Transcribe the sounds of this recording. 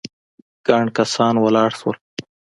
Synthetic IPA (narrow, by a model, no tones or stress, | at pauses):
ɡ̥aɳɖkasɑnwalɑːɽswə̰l